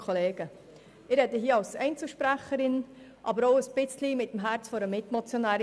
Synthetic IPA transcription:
kʰχoleːɡ̥ə | ɪɾɛd̪əɦiːəɑlsɛɪnt͡səlʃpɾæχəɾɪn | ʔɑbəɾoʊəsb̥ɪt͡slimɪt̪ːəmɦæɾt͡sfɔɾəmɪtmot͡sjonæːɾ

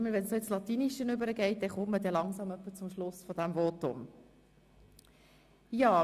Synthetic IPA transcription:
məʋɛnsoɪt͡slɑt̪iːniʃənʏbəɾəɡɛɪt̚d̥ɛχʊmmədɛlɑŋsɑmœpːət͡sʊmʃlʊsfɔdæmvotʊ̰m | jɑː

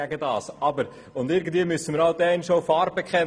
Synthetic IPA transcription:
æɡədɑ̰ːsɑbəɾ | ʊndɪɾɡən̩d̥viəmʏsənməɾɑld̥ɛɛɪnʃofɑːɾ̚bekχɛn

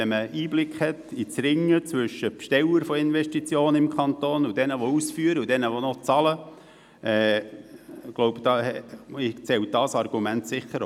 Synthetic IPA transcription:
ɛməʔiːblɪkχhɛtit͡sɾɪŋːət͡sʋʏʃːəpʃtɛləɾfɔɪnʋɛʃtit͡sjoːnəɪmkʰχɑnt̪oːnud̥ɛnəʋɔusfyəɾəudɛnəʋɔnɔt͡sɑlə | ʔɛː | ɡ̥lɔʊbd̥ɑːɛɪt͡sɛwt̚d̥ɑːsɑrɡ̥umæntsɪχːəɾ

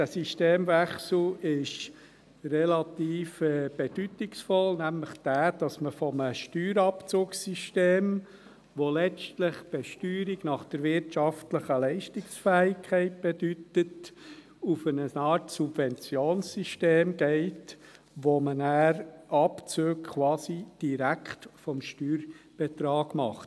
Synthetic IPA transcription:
d̥æsiʃteːmvæχsl̩ɪʃ | rɛlɑt̪iːfɛb̥ed̥ytɪksfɔlnæmləχd̥æːd̥ɑsməfɔməʃtyːɾɑpt͡suːksiʃteːm | ʋolɛt͡ʃtləχb̥ɛʃtyːɾiɡnɑχd̥əɾvɪɾtʃɑftləχəlɛɪʃtɪksfɛːɪkʰχɛɪt̚b̥ed̥ytət | ufənəɑːɾtsubvɛnt͡sjoːnssiʃteːmɡ̥eɪt | ʋomənæːɾɑpt͡søːkkʰwɑːsid̥iɾæktfɔmʃtyːɾb̥et̪ɾɑːɡ̥mɑχt

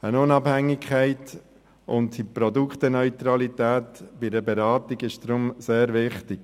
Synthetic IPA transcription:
ənʊnɑbhæŋːɪkʰχɛɪt̪ | ʔʊntipɾɔd̪ukχt̪ənœʏt̪ɾɑlit̪æːtb̥ɪdəbɛɾɑːt̪iɡɪʃd̥ɾʊmseːɾʋɪχtɪɡ̥

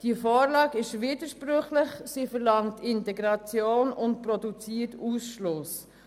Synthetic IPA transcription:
d̥iəfɔːɾlɑːɡɪʃvidəɾʃpɾʏχlɪχsiːfɛɾlɑŋtʰɪntɛɡɾɑt͡sjoːnʊnt̚pɾɔdut͡siːətuːsʃlʊs

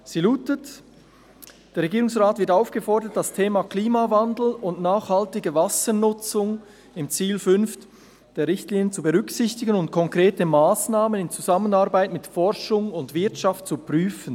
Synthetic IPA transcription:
z̥iluːtət | d̥eːɐʁeɡiːʁʊŋsʁaːtv̥ɪɐtaʊfɡ̥əfɔʁdət̚d̥astʰeːmakliːmavandl̩ʊntnaːχhaltɪɡəvasənʊt͡sʊŋ | ɪmt͡siːlfʏnft | d̥eːɐɾːɪçtliːnənt͡subəʁʏksɪçtɪɡənʊnt̚kʰɔŋkʁ̥eːtəmaːsnaːmənɪnt͡suzamənaɐbaɪtmɪtfɔɾʃʊŋʊndv̥ɪɐtʃaft̚t͡supʁyːfən̩

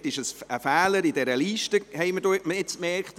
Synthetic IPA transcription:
tɪʃəsəfɛːləɾidɛɾəliːʃtəhɛɪmədoːməɪt͡smɛɾkt

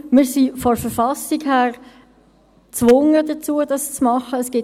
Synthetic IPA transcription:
mɪːɾsifɔfəɾfɑsiɡhæːʁ | t͡sʋʊŋədət͡suːədɑst͡smɑχəəsɡ̥ɪt

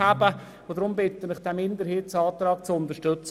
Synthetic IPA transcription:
abə | od̪ɾʊmbɪt̪ːənɪχd̪̥ɛmɪnd̪əɾhɪːt͡sɑːt̪ɾɑːkt͡sʊnt̪əʃtøt͡s

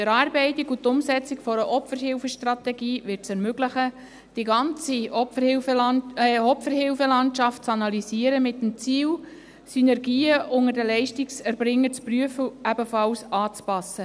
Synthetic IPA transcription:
d̥əɾɑːɾbɛɪtikut̪ʊmsɛt͡sikfɔɾəʔɔpfəɾhɪlfəʃtrɑt̪ɛɡiːvɪrtsɛɾmøɡləχə | d̥iɡɑnt͡siɔfəhɪf | ɔpfəɾhɪlfəlɑntʃɑft̚t͡sɑnɑlisiːəɾəmɪtəmt͡siːw | synɛɾɡiːəʔʊŋədəlɛɪʃtiksɛɾb̥ɾɪŋːəɾt͡spɾyəfəʔæbəfɑlsɑːt͡spɑsːə

